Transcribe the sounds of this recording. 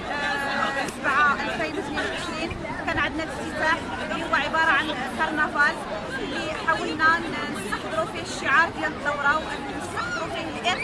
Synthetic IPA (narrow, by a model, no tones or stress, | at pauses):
ʔsbʕaʔalfeːnt̪niwʕɪʃɾiːn | kæːnʕad̪nalɪt̪ːɪt̪aːħ | lihʊwːæʕɪbɑːɾˤɑʕan | k̪ɑɾˤnafaːl | lːiħaːwəlnæʔn | nt̪ɑħd̪ˤɨɾufiʃːɪʕɑːɾˤd̪jæld̪ˤɑwːɾˤɑwʔɪnːnɪst̪ɑħd̪ˤɾufihɪlʔɪɾ